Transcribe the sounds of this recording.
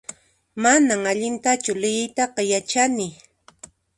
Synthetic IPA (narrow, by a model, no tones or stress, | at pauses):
manaŋaʎɪnt̪at͡ʃʊlɪjɪjt̪ɑqɑjat͡ʃanɪ